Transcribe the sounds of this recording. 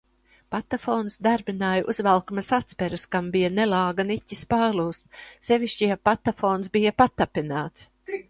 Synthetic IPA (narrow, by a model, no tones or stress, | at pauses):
pat̪afoːnsd̪aɾbʲinaːjʔuzvalˠkmɐsat̪spɛɾɨskambijɐnelˠɑːɡanicʲispaːɾlˠuːst̪sevʲiʃt͡ʃiɛpat̪afoːnsbijapat̪ːapʲinaːt̪s